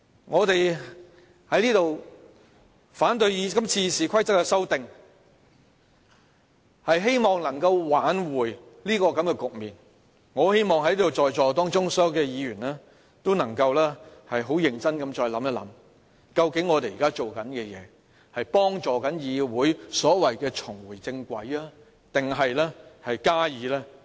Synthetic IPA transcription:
ŋɔː˨˧t̪e˨j | hɐ˨˥jliː˥t̪o˨w | faː˨˥nt̪ɵ˧ɥjiː˨˧kɐ˥mt͡sʰiː˧siː˨kʷʰɐ˥jt͡sɐ˥kːɛ˧sɐ˥wt̪ɪ˨ŋ | hɐ˨jɦe˥jmɔː˨ŋnɐ˨˩ŋkɐ˧wwaː˨˥nwuː˨˩jliː˥kɔː˧kɐ˨˥mkɛː˧kʊ˨k̚miː˨n | ŋɔː˨˧he˥jmɔː˨ŋhɐ˨˥jliː˥t̪o˨wɔː˨jt͡ʃɔː˨t̪̬ɔː˥ŋt͡ʃʊ˥ŋsɔː˨ɔː˥jwkɛː˧jiː˨˧ɥyː˨˩nlɛː˥ | t̪o˥wnɐ˨˩ŋkɐ˧wlɛː˥hɐ˨jɦo˨˥wjɪ˨˧ŋt͡sɐ˥nkɐ˨˧mt͡ʃɔː˧jlɐ˨˥mjɐ˥lɐ˨˥m | kɐ˧wkɪ˨˥ŋːɔː˨˧t̪e˨jiː˨˩kaː˥t͡ʃo˨wkɐ˨˥nkɛː˧jɛ̰ː˨˦ | hɐ˨jpɔː˥ŋt͡ʃɔː˨˩kɐ˨˥njiː˨˧wuː˨˥jsɔː˨˥wɐ˨jkɛː˧t͡ʃʰʊ˨˩ŋwuː˨˩jt͡sɪ˧ŋkʷɐ̰˨˥jaː˥ | t̪ɪ˨ŋɦɐ˨jlɛː˥hɐ˨jkaː˥jiː˨˥lɛː˥

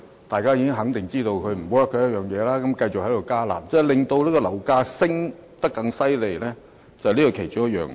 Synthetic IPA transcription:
t̪aː˨jkaː˥jiː˧kɪ˥ŋɦɐ˨˥ŋt̪ɪ˨ŋt͡siː˥t̪o˧wkʰɵ˨˧ɥm̩˨˩o˨˥jɐ˥kːɔː˧˥jɐ˥t̚jœː˨ŋjɛː˨˧laː˥kɐ˨˥mkɐ˧jt͡sʊ˨k̚hj̪o˨˧wkaː˥la̰ː˨˩p̚t͡sɛː˧˥˩lɪ˨ŋt̪o˧wliː˥kɔ˧lɐ˨˩wkaː˧sɪ˥ŋt̪ɐ˥kːɐ˧ŋsɐ˥jle˨jlɛː˥ | t͡sɐ˨liː˥kɔ˨˩kʰe˨˩jt͡ʃo˨˥ŋjɐ˥t̚jœ̰ː˨ŋ

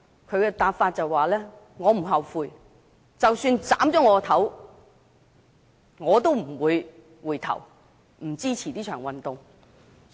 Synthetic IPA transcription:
kʰɵ˨˧ɥkɛ˧t̪aː˧p̚faː˧t̚t͡sɐ˨wːaː˨˩lɛː˥ | ŋɔː˨˧m̩˨˩ɦɐ˨wfuː˨j | t͡sɐ˨wsyː˧nt͡sa̰ː˨˥mt͡sɔː˨˥ŋɔː˧t̪ʰɐ˨˥w | ŋɔː˨˧t̪̬o˥wm̩˨˩wuː˨˧j | wuː˨˩jt̪ʰɐ̰˨˩w | m̩˨˩t͡siː˥t͡sʰiː˨˩t̪iː˥t͡ʃʰœː˨˩ŋwɐ˨nt̪ʊ˨ŋ

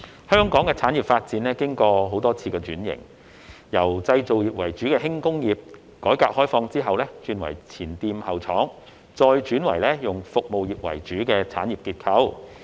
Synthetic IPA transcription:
hœː˥ŋkɔː˨˥ŋkɛː˧t͡sʰaː˨˥nji˨˩p̚faː˧t̚t͡siː˨˥nlɛː˥kɪ˥ŋkɔː˧ɦo˨˥wt̪ɔː˥t͡sʰiː˧kɛː˧t͡ʃyː˨˥njɪ̰˨˩ŋ | jɐ˨˩wt͡sɐ˧jt͡so˨wjiː˨p̚wɐ˨˩jt͡ʃyː˨˥kɛː˧ɦɪ˥ŋkʊ˥ŋjiː˨p̚ | kɔː˨˥jkaː˨˧k̚hɔː˥jfɔː˧ŋt͡siː˥ɦɐ˨wlɛː˥t͡ʃyː˨˧nwɐ̰˨˩jt͡sʰiː˨˩nt̪iː˧mhɐ˨wt͡sʰɔː˨˥ŋ | t͡sɔː˧jt͡ʃyː˨˥nwɐ̰˨˩jlɛ˥jʊ˨ŋfʊ˨k̚mo˨wjiː˨˩p̚wɐ̰˨˩jt͡ʃyː˨˥kɛː˧t͡sʰaː˨˥njiː˨p̚kiː˧t̚kʰɐ˨˥w

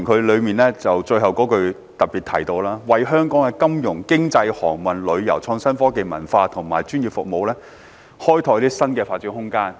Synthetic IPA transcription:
kʰɵ˨˧lɵ˨˧ɥmiː˨nlɛː˥t͡sɐ˨wt͡ʃɵ˧ɦɐ˨wkɔː˨˥kɵ˧ɥ | t̪ɐ˨t̚piː˨˩t̪ʰɐ˨˩jt̪o˧wlaː˥wɐ˨jɦœː˥ŋkɔː˨˥ŋɛ˧kɐ˥mjʊ˨˩ŋkɪ˥ŋt͡sɐ˧jhɔː˨˩ŋmɐ˨nlɵ˨˧ɥjɐ˨˩wt͡ʃʰɔː˧ŋsɐ˥nfɔː˥ke˨˧jmɐ̰˨˩nfaː˧t̪ʰʊ˨˩ŋmaː˨˩jt͡ʃyː˥njiː˨p̚fʊ̰˨k̚mo˨˧wlɛː˥ | hɔː˥jt̪ʰɔː˨˧jt̪iː˥sɐ˥nkɛː˧faː˧t̚t͡ʃyː˧˥nhʊ˥ŋkaː˥n

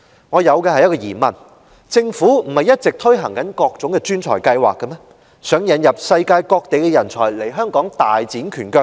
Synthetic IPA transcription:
ŋɔː˨˧jɐ˨˧wkɛ˧hɐ˨jɐ˥t̚kɔː˧jiː˨˩mɐ̰˨˩n | t͡sɪ˧ŋfuː˨˥m̩˨˩hɐ˨jɐ˥t̚t͡sɪ˨k̚t̪ʰɵ˥jɦɐ˨˩ŋkɐ˨˥nkɔː˧k̚t͡sʊ˨˥ŋkɛ˧t͡ʃyː˥nt͡ʃʰɔ̰ː˨˩jkɐ˧jwa̰ː˨kːɐ˧mɛ˥ | sœː˨˥ŋjɐ˨˧njɐ˨p̚sɐ˧jkaː˧jkɔː˧k̚t̪e˨jkɛ˧jɐ˨˩nt͡sʰɔ̰ː˨˩jle˨˩jɦœː˥ŋkɔː˨˥ŋt̪aː˨jt͡siː˨˥nkʰyː˨˩nkœː˧k̚

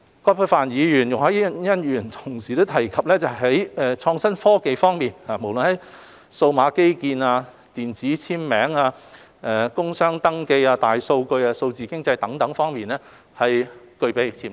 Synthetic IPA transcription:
kɔː˥pʰɐ˥faː˨njiː˨˧jyː˨˩njʊ˨ŋhɐ˨˥jjɐ˥njyː˨˩nt̪ʰʊ̥˨˩ŋsiː˨t̪o˥wt̪ʰɐ˨˩jkʰɐ˨p̚lɛː˥t͡sɐ˨hɦɐ˨˥jɛː˨t͡ʃʰɔː˧ŋsɐ˥nfɔː˥ke˨jfɔː˥ŋmiː˨nhaː˨˩mo˨˩wlɵ˨nhɐ˨˦j | so˧wmaː˨˧ke˥jkiː˧naː˧ | t̪iː˨˩nt͡siː˨˥t͡sʰiː˥mmɛː˨˥ŋaː˧ | ɛ˧kʊ˥ŋsœː˥ŋt̪ɐ˥ŋke˧jaː˧t̪aː˨˩jso˧wkɵ˧ɥaː˧so˧wt͡siː˨˩kɪ˥ŋt͡sɐ˧jt̪ɐ˨˥ŋt̪ɐ˨˥ŋfɔː˥ŋmiː˨˩nɛː˥ | hɐ˨jkɵ˧ɥpe˨˧jt͡sʰiː˧˩

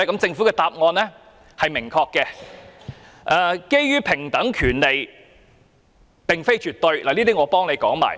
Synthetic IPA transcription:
ɛ˥kɐ˦˥mt͡sɪ˧ŋfu˨˥kɛː˧t̪aː˧p̚ŋɔː˧nlɛ˥ | hɐ˨jmɪ˨˩ŋkʰɔː˧kːɛː˧ | ʔɛː˨˧ke˥jjyː˥pʰɪ˨˩ŋt̪ɐ˨˥ŋkʰyː˨˩nle˨j | pɪ˨˩ŋfe˥jt͡ʃyː˨t̪ɵ˧ɥlaː˨˩liː˥t̪iː˥ŋɔː˨˧pɔː˥ŋle˨˧jkɔː˨˥ŋma̰ː˨˩j

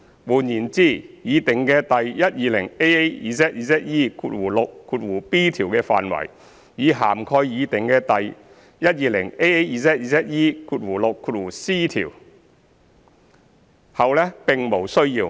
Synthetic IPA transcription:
wuː˨˩njiː˨˩nt͡siː˥jiː˨˧t̪ɪ˨ŋkɛː˧t̪ɐ˨jjɐ˥t̚jiː˨˧lɪ˨˩ŋe˥je˥jiː˨˧sɛː˦˥t̚jiː˧sɛː˦˥t̚jiː˥kʰuː˧t̚wuː˨˩lo˨kʰːuː˧t̚wuː˨˩piː˥t̪ʰiː˨˩wkɛː˧fa̰ː˨nwɐ̰˨˩j | jiː˨˧ɦaː˨˩mkʰɔː˧jjiː˨˧t̪ɪ˨˩ŋkɛː˧t̪ɐ˨j | jɐ˥t̚jiː˨˧lɪ˨˩ŋe˥e˥jiː˨˧sɛː˥t̚iː˧˩sɛː˥t̚jiː˥kʰuː˧t̚wuː˨˩lʊ˨kʰːuː˧t̚wuː˨˩siː˥t̪ʰḭː˨˩w | hɐ˨wlɛː˥pɪ˨ŋmo˨˩wsɵ˥ɥjiː˧w

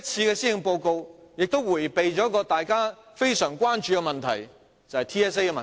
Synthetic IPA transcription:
t͡sʰiː˧kɛː˧si˥jɪ˨ŋpo˧wko˧wjɪ˨k̚t̪o˥wwuː˨˩jpe˨jt͡ʃɔː˨˥kɔː˧t̪aː˨jkaː˥ | fe˥jsœː˨˩ŋkʷwaː˥nt͡ʃyː˧kɛ˧mɐ˨nt̪ʰɐ̰˨˩j | t͡sɐ˨whɐ˨jt̪ʰiː˥ɛː˥s̬e˥jkɛ˧mɐ˨

